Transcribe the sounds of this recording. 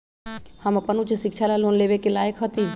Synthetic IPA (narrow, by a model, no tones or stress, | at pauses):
hamapənũt͡ʃəsɪkʃʰalalonleʋekelaːjəkɦət̪i